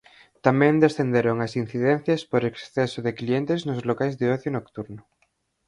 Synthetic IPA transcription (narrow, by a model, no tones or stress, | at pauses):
t̪amɛ̃nd̪esθend̪eɾoŋasinθiðɛn̟θjaspoɾeksθɛsoðeklient̪eznozlokajzðeɔθjonokt̪uɾno